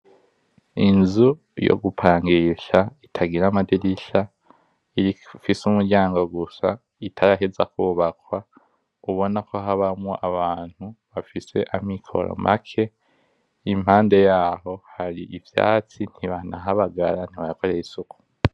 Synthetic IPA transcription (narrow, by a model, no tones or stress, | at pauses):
inzu | jo̰ɡupʰaːŋɡiʃaitʰaɡiɾamadiɾiʃa | iɾifisumuɾɟaːŋɡo̞ɡusa | itʰaɾaɦezakuːβakwa | uβo̞nako̞ɦaβamŋoʔaβaːn̥huβafise̞ʔamikʰo̞̰ɾo̰mʔa̰kʰe̞ | im̥haːnde̞jaːɦo̞haɾiʔivja̰ːt͡sin̥hiβanaɦaβaɡaɾan̥iβaakoɾejisuku̥